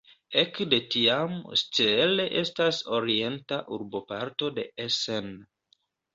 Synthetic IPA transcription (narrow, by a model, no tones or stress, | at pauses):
ekde̞tiamst͡sele̞ʔe̞staso̞ɾie̞ntaʔuɾbo̞paɾto̞de̞esen